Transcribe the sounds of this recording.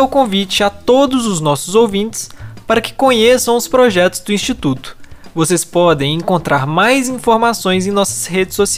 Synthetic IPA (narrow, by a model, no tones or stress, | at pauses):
wkõvit͡ʃɪat̪od̪ʊzʊznɔsʊzowvĩt͡ʃɪ̥spaɾɐkɪ̥kõɲesɐ̃w̃ʊspɾoʒɛt̪ʊzd̪ʊĩst͡ʃit̪ut̪ʊ̥vosespɔd̪ẽj̃ẽkõnt̪ɾaɾmajzĩfoɾmasõj̃zẽj̃nɔsɐ̥sɦed͡ʒɪsosi